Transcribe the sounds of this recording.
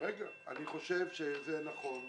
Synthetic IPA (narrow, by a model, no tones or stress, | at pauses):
ʁeɡa | a̰niχo̞ʃevʃezenaχo̞n